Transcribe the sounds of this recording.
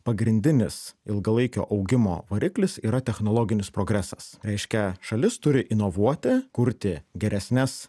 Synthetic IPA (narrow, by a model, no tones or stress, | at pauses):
pɐɡɾʲɪnʲd̪ʲɪnʲɪsɪlˠɡɐlˠɐɪkʲo̰ːʔɐʊɡʲɪmo̰ːʋɐɾʲɪklʲɪsiːɾɐt̪ʲɛxnoːlˠoːɡʲɪnʲɪspɾoːɡɾʲæsɐsɾʲɛɪʃʲkʲɛʃɐlʲɪst̪ʊɾʲɪʔɪnoʋuɔt̪ʲɪkʊɾʲt̪ʲɪɡʲɛɾʲɛsʲnʲɛs